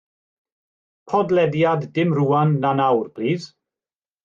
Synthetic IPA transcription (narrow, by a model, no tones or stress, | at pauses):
pʰɔdlɛdjadːɪmruːanːanawrb̥ʰriːð̥